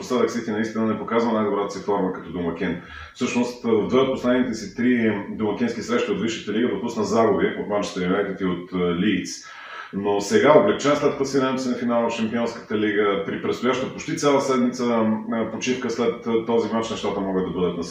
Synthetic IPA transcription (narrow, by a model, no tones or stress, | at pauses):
oslad̪əksist̪inɐist̪inənɛpokazvənajd̪obɾat̪ə̥sifɔɾməkɐt̪ɔd̪omɐkʲin | fsɤʃnost̪vəvd̪vd̪ət̪̚poslɛd̪nit̪ɛsit̪ɾid̪omɐk̟ʲinskisɾɛʃt̪iotd̪viʃə̥t̪əliɡəd̪opusnəzaɡʊbiʔo̰t̪mat͡ʃi̥t̪əlivɛjt̪it̪iot̪lit̪s | nosɛɡaoblɛk̚t͡ʃɛnəst̪at̪kəsid̪ɛnsinɐfinalˠfʃɛmpiɔnskə̥t̪əliɡəpɾipɾɛt̪st̪ʊjaʃt̪opot͡ʃt̪it̪sʲjalˠəsɛd̪mit̪səpot͡ʃifkəslɛt̪ːɔzimat͡ʃnɛʃt̪at̪əmɔɡəd̪ɐbɤd̪ət̪nɐ